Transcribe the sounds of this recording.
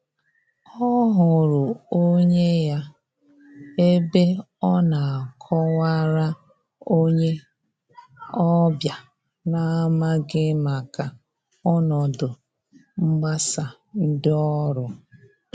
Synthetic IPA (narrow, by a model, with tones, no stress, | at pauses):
ɔ˦ɦʊ˨ɾʊ˨o˦ɲe˦ja˦ | e˦be˦ | ɔ˦na˨a˨kʰɔ˦wa˦ɾa˦ | o˦ɲe˦ | ɔ˦bja˨ | na˦ma˦ɡɪ˦ma˨ka˨ | ɔ˦nɔ˨dʊ˨ | ŋ͡m̩˦ɡ͡ba˦sa˨ | n̩˦dɪ˦ɔ˦ɾʊ˨